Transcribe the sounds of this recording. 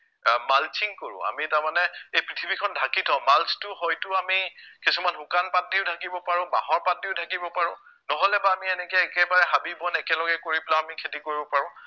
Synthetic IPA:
malt͡ʃʰiŋkoɹʊ̰̃a̰mitaɹmanɛejpɹitʰibikʰɔndʱakitʰɔʊmalstʊhɔjtʊamikisumanɦukanpat̚diʊdʰʱakibɔpaɹʊ̃ba̰ɦɔɹpatːiʊdʰʱakibɔpaɹʊ̃ | nɔɦɔlɛbaːmiɛnɛkɛːkɛbaɹɛɦabibɔnɛkɛlɔɡɛkoɹiplaamikʰetikoɹibɔpaɹʊ̃

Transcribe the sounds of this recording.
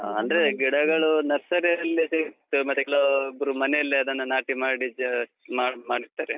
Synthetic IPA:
ɐnd̪ɐɾeɡiɽɐɡɐɭunɐɾsɐɾɐɐlːiseit̪ːumɐt̪ːukeɭoibɾumɐnejɐlːiɐd̪ɐnːɐnaːʈimaːɽimaːmaːɽiɾt̪ːaːɾe

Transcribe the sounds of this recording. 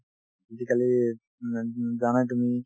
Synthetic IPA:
id̪ikali | d͡ʒanat̪umi

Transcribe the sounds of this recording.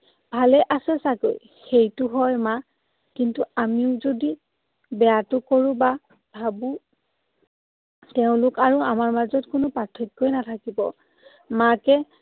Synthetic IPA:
bʱalɛʔasɛsako̰j | xejtʊɦɔjma | kintuamiʊzodi | bɛjatʊkoɹʊ̃ba | bʱabũ | tɛʊ̃lʊkaɹuamaɹmazɔtkʊnʊpatʰːikːojnatʰakibɔ | makɛ

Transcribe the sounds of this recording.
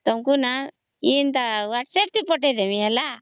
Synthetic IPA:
t̪ɔmkuna | int̪awaʈseʈ̚t̪ipɔʈ̬ed̪emiɛla

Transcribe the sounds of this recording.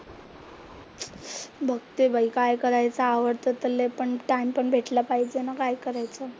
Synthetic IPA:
bʱəɡ̚t̪ebʱaikajkəɾajt͡saːʋəɾt̪ət̪əlepəɳʈajmpəɳbʱeʈlapaɦid͡ʑenakajkəɾajt͡sə

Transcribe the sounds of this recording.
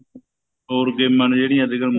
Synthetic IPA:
oːɾɡeːmːənd͡ʒeːɽɪjãːd̪ɪɡəlm

